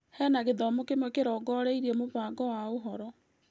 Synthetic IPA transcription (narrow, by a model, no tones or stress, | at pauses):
hɛːnaɣeðɔmokemwɛkeɾɔːɡɔːɾeiɾiɛmoβaːɡɔwaoɦɔɾɔ